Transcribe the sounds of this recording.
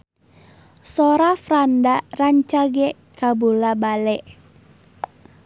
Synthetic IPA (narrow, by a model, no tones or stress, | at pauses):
sɔɾafɾandaraɲt͡ʃaɡɛ | kabulabalɛʔ